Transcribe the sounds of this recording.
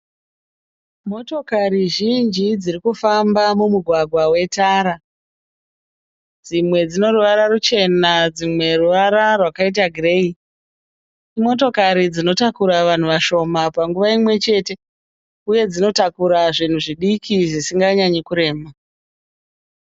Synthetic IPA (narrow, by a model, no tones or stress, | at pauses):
mo̞to̞kaɾiʒind͡ʒid͡zirikufambamumuɡʱwaɡʱwawe̞taːɾa | d͡zimwe̞d͡zino̞ruʋaɾarut͡ʃe̞nad͡zimwe̞ruʋaɾarwakait̬aɡʱrei | imo̞to̞kaɾid͡zino̞takuɾaʋan̤uʋaʃo̞mapaŋɡuʋaimwe̞t͡ʃe̞te̞ | uje̞d͡zino̞takuɾaʐin̤uʐiɗikʰiʐisiŋɡaɲaɲekuɾe̞ːma